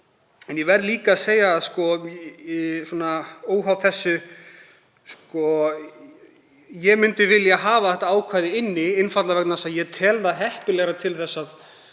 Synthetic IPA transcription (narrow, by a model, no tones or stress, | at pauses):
ɛnjɛvɛɾliːkaːseːjaðskɔ | sɔːnaoːwɦawθɛsːʏ | skɔ | jɛɣmʏnt̪ɪvɪljaɦaːvaθɛht̪aaːwkʰvaːjðɪɪnːɪɪnfat̪lavɛknasaðjɛt̪ʰɛːlðaɦɛhpɪlɛɣɾat̪ʰɪlθɛsːað